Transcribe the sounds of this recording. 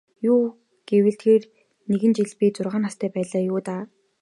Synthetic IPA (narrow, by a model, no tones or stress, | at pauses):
juː | ɡ̥ewɘ̆ɬt̪xeːr | neɣɘ̆nt͡ɕiɮpʲiːt͡sʊrʁaːnast̪ʰæːpæːɮaːjʊːt̪aː